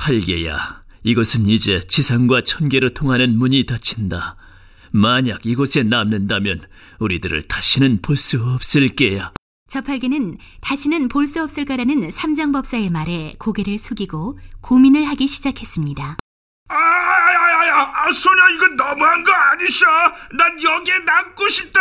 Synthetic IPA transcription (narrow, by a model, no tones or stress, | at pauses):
pʰaɭɡe̞ja̰ | iɡʌsʰɯnid͡ʑe̞t͡ɕisʰaŋɡwat͡ɕʰʌnɡe̞ɾotʰoŋɦanɯnmuɲitat͡ɕʰinda | maɲaɡiɡʌsʰe̞namnɯndamjʌn | uɾidɯɾɯ̰ɭtaɕʰinɯnpoɭs͈uʌp̚s͈ɯɭk͈e̞ja | t͡ɕʌpʰaɭɡe̞nɯntaɕʰinɯnpoɭs͈uʌp̚s͈ɯɭk͈aɾanɯnsʰamd͡ʑaŋbʌp̚s͈ae̞maɾe̞koɡe̞ɾɯɭsʰoɡiɡokominɯɭɦaɡiɕʰid͡ʑakʰe̞s͈ɯmɲida | ajajajaːsʰoɾaiɡʌnʌmuɦanɡʌaɲiɕananjʌɡenamk͈oɕʰip̚t͈a